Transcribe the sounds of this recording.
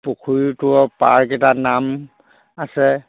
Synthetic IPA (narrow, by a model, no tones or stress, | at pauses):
pukʰujtʊɔpaɹkɛtanam | asɛ